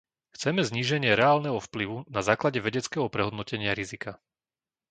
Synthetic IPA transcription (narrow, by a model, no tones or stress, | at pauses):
xt͡sɛmɛzɲiːʒɛɲɪɛɾɛaːlnɛɦɔfpliʋunazaːklaɟɛʋɛɟɛt͡skɛɦɔpɾɛɦɔd̪nɔcɛɲɪaɾizika